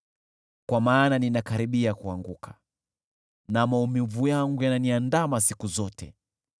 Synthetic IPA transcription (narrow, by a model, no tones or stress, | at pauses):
kwamaːnaninakaɾiɓiakuaŋɡukʰḁ | namaumivujaŋɡujananiandamasikuzɔtɛ̰